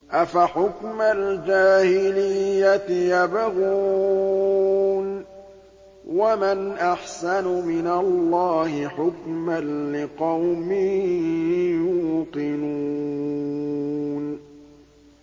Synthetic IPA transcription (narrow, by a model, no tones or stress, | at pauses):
ʔafaħʊkmald͡ʒaːhɪlɪjːat̪ɪjabaɣuː | n | wamanʔaħsanʊmɪnalːɑːhɪħʊkmanlɪqɑwmɪh | juːqɪnu | n